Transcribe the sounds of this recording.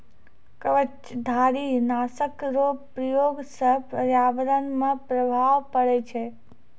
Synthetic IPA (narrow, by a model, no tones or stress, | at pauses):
kəʋət͡ʃd̪ʱaɾinasəkɾopɾəjoɡsəɦpəɾjaʋəɾənmãpɾəbʱaʋpəɽet͡ʃʰe